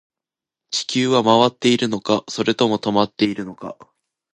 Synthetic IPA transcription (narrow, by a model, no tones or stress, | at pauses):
t͡ɕi̥kʲɨːβamaβat̪ːe̞iɾɯ̟no̞kaso̞ɾe̞t̪o̞mo̞t̪o̞mat̪ːe̞iɾɯ̟no̞ka̰